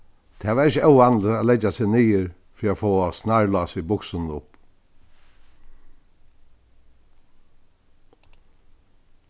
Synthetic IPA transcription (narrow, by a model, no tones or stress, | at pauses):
t̪ʰɛːʋaːɾɪçəœwanlɪalɛt͡ʃːasɪːɣniːɪɾ | fɾiːaːfoːasnaɹlɑːsʋibʊksɪnnʊ̰p